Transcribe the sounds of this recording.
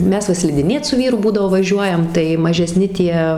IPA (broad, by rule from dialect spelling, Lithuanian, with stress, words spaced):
ˈmʲɛs ʋɐ sʲlʲɪdʲɪˈnʲeːt sʊ ˈʋʲiːrʊ ˈbuːdɐʋoː ʋɐˈʒʲuɔjɛm tɐɪ mɐʒʲɛˈsʲnʲɪ ˈtʲiɛ